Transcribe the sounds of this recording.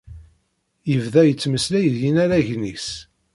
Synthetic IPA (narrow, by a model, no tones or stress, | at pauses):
jəvðæjət͡sːməslæjəðjinæɾæʝnis